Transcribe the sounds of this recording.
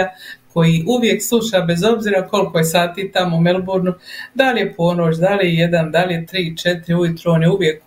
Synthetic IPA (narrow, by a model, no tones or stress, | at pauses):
akʰo̞jiʔuʋje̞kslˠuʃabe̞zo̞bziːɾako̞lko̞jesaːt̪iːt̪amoumelbuɾnud̪alje̞pʰo̞ːno̞ːt͡ɕd̪aljeje̞d̪and̪alje̞t̪ɾiːt͡ʃe̞t̪iɾiujut̪ɾonjeuʋje̞k̚